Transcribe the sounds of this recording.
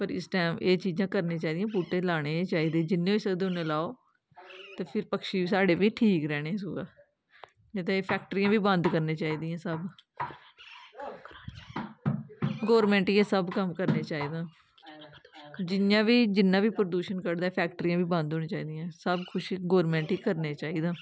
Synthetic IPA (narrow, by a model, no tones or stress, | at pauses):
pəɾɪ̰sʈɛːmeːt͡ʃiːzãːkəɾneːt͡ʃaːiːd̪ɪjãːpuːʈẽːlaːɽ̃eːt͡ʃaːiːd̪ẽːd͡ʒɪnːẽːiːsəɡd̪eːʊnẽːlaːoː | t̪eːpʰɪɾpəkʃiːʋiːsaːɖeːʋiːʈʰiːkɾɛːɽ̃ẽːsuːɛ̰ː | ẽt̪̬ẽːpʰɛːk̚ʈəɾiːãːʋiːbənd̪kəɾneːt͡ʃaːiːd̪ijãːsəb | ɡɔːɾmɛ̃ːɳʈiãːsəbkəmkəɾneːt͡ʃaːiːd̪ãː | d͡ʒɪnjãːʋiːd͡ʒɪnːãːʋiːpɾəd̪uːʃənkəɽd̪aːpʰɛːkʈəɾiːãːʋiːbə̃nd̪ʱɦoːñẽːt͡ʃaːḭːd̪ijãːsəbkʰʊʃɡɔːɾmɛ̃ːɳʈiːkəɾneːt͡ʃaːiːd̪ãː